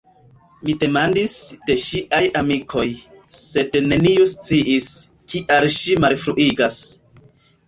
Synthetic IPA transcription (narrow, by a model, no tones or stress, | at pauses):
mide̞mandisde̞ʃiʔajamikʰo̞j | se̞dne̞nijust͡siʔis | kʰiʔalʃimalfɾuʔiɡas